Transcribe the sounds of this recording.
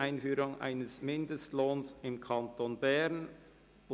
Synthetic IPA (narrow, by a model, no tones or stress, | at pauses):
aɪnfyːɾʊŋʔa̰ɪnəsmɪndəstloːnsɪmkʰɑntoːnbɛɾn | ʊ